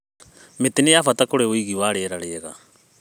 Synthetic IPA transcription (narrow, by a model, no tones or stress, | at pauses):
metenejafatakoɾeoiɣiwaːɾeːɾaɾeːɣa̰